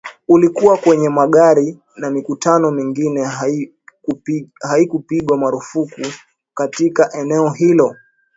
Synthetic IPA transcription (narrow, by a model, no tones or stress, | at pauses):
ulikuwakwɛɲɛmaɠaɾi | namikutanɔmiŋɡinɛ | haikupiɠwamaɾufuku | katikaʔɛnɛɔɦilɔ